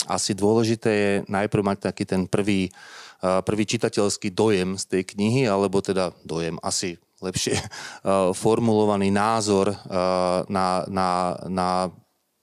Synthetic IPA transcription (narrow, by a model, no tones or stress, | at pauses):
a̰sid̪ʊɔlɛʒit̪ɛːjɛnajpɾ̩ʊmac̚t̪akiːt̪ɛnpr̩ʋiː | pr̩ʋiːt͡ʃit̪acɛlskiːd̪ɔjɛmst̪ɛjkɲiɦialɛbɔt̪ɛd̪ad̪ɔjɛma̰si | lɛpʃɪɛ | fɔɾmulɔʋaniːnaːzɔɾ | nanana